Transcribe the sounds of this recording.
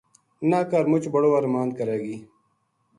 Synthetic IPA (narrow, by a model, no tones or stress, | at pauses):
naːkaɾmʊt͡ʃbɐɽoːɐɾmaːnd̪̚kəɾeːɡiː